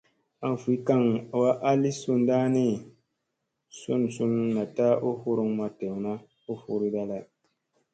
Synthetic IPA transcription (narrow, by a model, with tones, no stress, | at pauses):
a˨n˨fi˨˦ka˦ŋ˨wa˦ʔa˦li˦su˦˨n˦daː˦ni˦ | su˦n˨su˦nna˨taː˦ʔo˦hu˦ɾu˦ŋma˨tɛ˨ŋ˨na˦ | o˦fu˦ɾi˦da˦la˨